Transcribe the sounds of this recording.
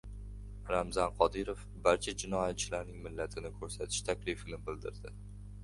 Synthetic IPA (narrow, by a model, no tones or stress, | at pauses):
ɾamzanqʰɒd̪ɪɾof | baɾt͡ʃʰad͡ʒɪnɒjat̪̚t͡ʃʰɪlaɾnɪŋmɪlːat̪ʰɪnɪkʰɵɾsat̪ʰɪ̥ʃt̪ʰakʲlɪfɪlɪmbɪld̪ɪɾd̪ɪ